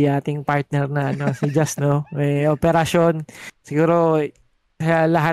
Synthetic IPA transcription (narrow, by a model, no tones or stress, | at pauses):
ʔaːt̪ɪŋpaɹt̪̚nɛɾnɐɐnosɪd͡ʒɐst̪noɛʔopɛɾɐʃo̞nsɪɡuːɾo̞ | alɐɦa